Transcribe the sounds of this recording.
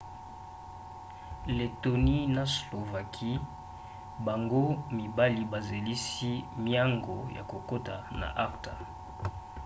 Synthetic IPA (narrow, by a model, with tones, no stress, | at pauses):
le˨to˨ni˦na˨slo˨va˨kʰi˦ | ba˨ŋɡo˦mi˨ba˦li˨ba˨ze˨li˦si˦mja˦ŋɡo˨ja̰˨ko˨ko˦ta̰˨na̰˨ʔa˦ʁta̰˨